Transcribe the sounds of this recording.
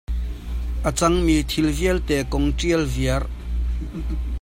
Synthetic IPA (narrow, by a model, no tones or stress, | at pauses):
ʔat͡saŋmit̪ʰilvialt̪ɛkɔŋʈ͡ʂialvia